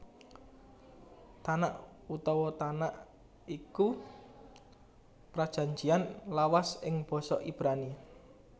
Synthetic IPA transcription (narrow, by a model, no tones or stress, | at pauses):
t̪anaʔut̪ɔwɔt̪anaʔ | iku | pɾad̥ʒ̥ä̤ɲd͡ʒianlawasɪŋb̥ɔ̤sɔʔib̥ɾani